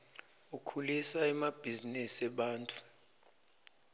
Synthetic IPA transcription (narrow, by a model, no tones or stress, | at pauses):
ukʰulisaɛmab̥ʱizinisɛɓaːntʼu̥